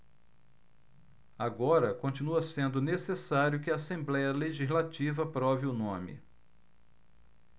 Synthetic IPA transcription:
aɡɔɾɐkõt͡ʃinuɐsẽnd̪ʊnesesaɾjʊkɪaːsẽmblɛjɐleʒizlat͡ʃivɐpɾɔviʊnõmɪ̰

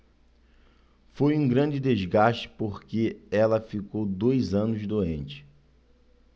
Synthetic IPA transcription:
fojũɡɾɐ̃nd͡ʒɪd̪ezɡaʃt͡ʃɪ̥poχkeɛlɐfikowd̪ojzɐ̃nʊzd̪oẽnt͡ʃɪ̥

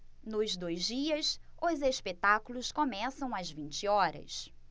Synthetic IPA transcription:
nʊzd̪ojzd͡ʒiɐsʊzespet̪akulʊskomɛsɐ̃w̃ɐzvĩnt͡ʃɪɔɾɐ̰s

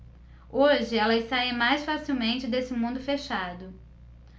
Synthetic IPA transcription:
oʒɪɛlɐɪst̪aimajsfasiwmẽnt͡ʃɪd̪esɪmũnd̪ʊfeʃad̪ʊ

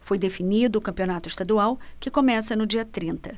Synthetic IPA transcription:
fojd̪efinid̪ʊːkɐ̃mpionat̪ʊɪst̪ad̪uawkɪkomɛsɐnʊd͡ʒiɐt̪ɾĩnt̪ɐ

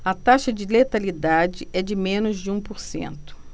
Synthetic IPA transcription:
ɐt̪aʃɐd͡ʒɪlet̪alid̪ad͡ʒɪʔɛd͡ʒɪmẽnʊzd͡ʒɪũpoɾsḛ̃nt̪ʊ̥

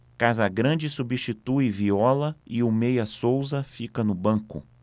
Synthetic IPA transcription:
kazɐɡɾɐ̃d͡ʒɪsubiʃt͡ʃit̪uɪviɔlɐɪʊmejɐsowzɐfikɐnʊbɐ̃kʊ̰

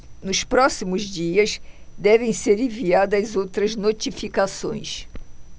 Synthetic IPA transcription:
nʊspɾɔsimʊzd͡ʒiɐsd̪ɛvẽj̃seɾẽviad̪ɐzowt̪ɾɐznot͡ʃifikasõ̰j̃s

